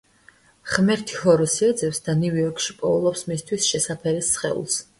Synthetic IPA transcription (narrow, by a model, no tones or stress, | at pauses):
χmɛɾt̪ʰi̥hɔɾɔsiɛd̪zɛpsd̪anuvɔɾkʰʼʃipʼɔulˠɔpsmist̪ʰwisʃɛsapʰɛɾisːχɛ̰ṵlˠs